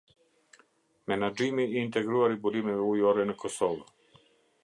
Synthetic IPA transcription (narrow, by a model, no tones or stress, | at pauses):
menad͡ʒimiint̪eɡɾuaɾibuɾimɛujoɾɛnkʰosolo